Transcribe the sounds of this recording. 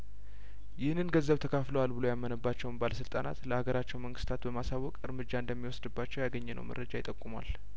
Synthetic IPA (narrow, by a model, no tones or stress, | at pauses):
jɪhnɨnɡəzːəβt̪ʰəkʰafləwalbɨlojamːənəbːat͡ʃːɛwnbaləsɨlt̪ʼana̰t̪ləhaɡəɾat͡ʃːɛwməŋɡɨst̪ʰat̪bəmasawːɔkʼɨɾmɨd͡ʒːaɨnd̪əmːiwɔsd̪ɨbːat͡ʃːɛwjaɡəɲːɛnʔə̰wmə̰ɾːəd͡ʒajt̪ʼəkʼːumwa̰l